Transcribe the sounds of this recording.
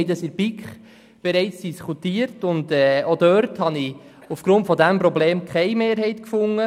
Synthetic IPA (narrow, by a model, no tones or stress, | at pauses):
ɪdəsɪɾbikχ | b̥ɛɾɛɪt͡sd̥iskʰutiːəɾtʊndɛːodœɾthɑni | ufɡ̥ɾʊntfɔdæmpɾɔbleːmkʰχɛɪmeːɾɦɛɪtkfʊŋːə